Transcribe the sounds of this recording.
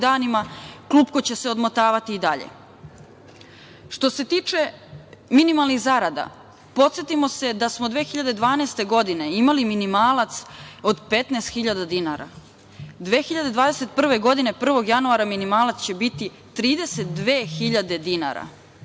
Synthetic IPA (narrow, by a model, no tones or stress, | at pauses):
d̪aːnimakluːpko̞t͡ɕe̞seo̞d̪mot̪aːʋat̪iːd̪aʎḛ | ʃt̪o̞se̞t̪iːt͡ʃe̞minimalˠniɣzaɾad̪a̰ | po̞t̪sjet̪imo̞se̞d̪asmod̪ʋe̞ːxiʎad̪e̞d̪ʋaːnest̪e̞ɡo̞d̪ine̞imaliminimaːlat̪so̞d̪pe̞t̪nest̪xiʎad̪ad̪inaɾa̰ | d̪ʋe̞ːxiʎad̪e̞d̪ʋaːd̪ese̞t̪̚pr̩ʋe̞ɡo̞d̪ine̞pr̩ʋo̞ɡjanuaɾaminimaːlat̪st͡ɕe̞bit̪i | t̪ɾiːd̪e̞se̞t̪̚d̪ʋeːxiʎad̪e̞d̪ina̰ɾa̰